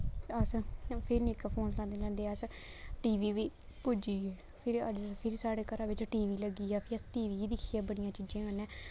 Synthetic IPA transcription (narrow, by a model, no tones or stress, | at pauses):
əspʰɪɾniːkapʰoːnlãːd̪eːlɛ̃ːnd̪eəs | ʈiːʋiːʋiː | pud͡ʒiːɡeː | pʰɪɾə̰d͡ʒpʰɪɾsaːɽeːkəɾãːʋɪt͡ʃʈiːʋiːləɡiːaːpʰɪəsʈiːʋiːd̪ɪkʰiːɛːbəɽ̃ijãːt͡ʃiːd͡ʒãːɡənɛ̃ː